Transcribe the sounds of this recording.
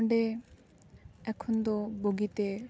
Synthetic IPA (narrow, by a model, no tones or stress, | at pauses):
ɖe | ɛkʰɔnd̪ɔboɡit̪e